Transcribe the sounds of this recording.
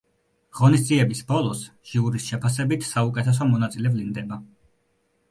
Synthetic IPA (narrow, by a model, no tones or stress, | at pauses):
ʁ̥ɔnisd̪ziɛbisbɔlˠɔs | ʒ̥iuɾisʃɛpʰasɛbit̪ʰsaukʼɛt̪ʰɛs̬ɔmɔnat̪sʼilɛblind̪ɛba